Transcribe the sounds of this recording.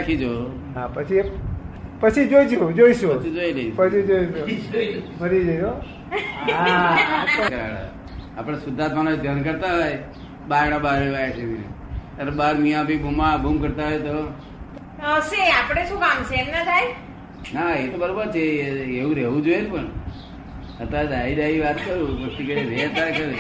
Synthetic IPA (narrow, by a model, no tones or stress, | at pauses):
akʰid͡ʒo | ɦapət͡ʃʰi | pət͡ʃʰid͡ʒoid͡ʒod͡ʒoiʃut͡ʃʰid͡ʒoileiʃpət͡ʃʰid͡ʒoiʃu | məɾid͡ʒoio | a | kəɾa̰ɽa̰ | apəɽ̃esʊd̪ʱat̪ʰʋanad̪ʱjankəɾt̪aɦoj | baɾɽ̃abaɾeʋajat͡ʃʰeminḛ | əɾbaɾmĩãbʱibʱumãbʱumkəɾt̪aɦojt̪o | əʃeapəɽ̃eʃũkamt͡ʃʰeːmnad̪ʱaj | naet̪obəɾobəɾt͡ʃʰeeʋũɾeʋũd͡ʒojenupəɳ | ət̪ad̪ʱaid̪ajiʋat̪kəɾũpəkt̪ikəɾeɾet̪akəɾe